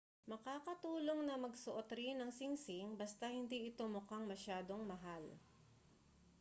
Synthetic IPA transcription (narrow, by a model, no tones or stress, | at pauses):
mɐkaːkɐt̪uːlo̞ŋnɐmɐɡsoʔot̪ɾɪnɐŋsɪŋsɪŋbɐst̪ɐhɪnd̪iːʔɪt̪omʊkaŋmɐʃaːd̪o̞ŋmɐɦal